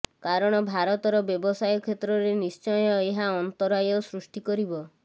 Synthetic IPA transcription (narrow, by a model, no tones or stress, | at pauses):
kaɾɔɽ̃ɔbʱaɾɔt̪ɔɾɔbjɔbɔsajɔkʰet̪ɾɔɾenist͡ʃɔjɔeɦaɔnt̪ɔɾajɔsɾusʈikɔɾibɔ